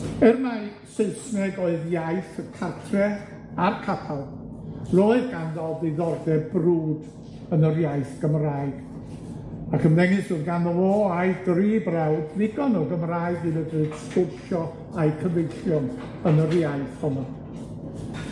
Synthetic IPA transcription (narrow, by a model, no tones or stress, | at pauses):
ɛrma | seɨsnɛɡoːɨðjaɨθəkʰartʰrɛ | arkʰapʰalˠroːɨɡanðɔlˠbɨðɔrdɛbruːd | ənərjaɨθɡ̥əmraːjɨɡ̥ | akʰəmðɛŋɨsɨðɡanɔɔaɨdriːbrawdvɪɡɔnɔɡəmraɨɡðɨnədrɨ̥spɪrʃɔ | ajkʰəvejɬjʊn | ənərjajθɔnɔn